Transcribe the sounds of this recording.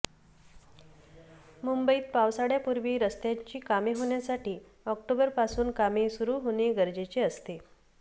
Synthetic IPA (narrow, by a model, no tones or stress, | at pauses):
mumbəiːt̪̚paʋsaɽjapuɾʋiːɾəst̪jaɲt͡ɕiːkameɦoɳjasaʈiː | ɔk̚ʈobəɾpasuːnkamesuɾuːɦoɽ̃eɡəɾd͡ʑet͡ɕiəst̪e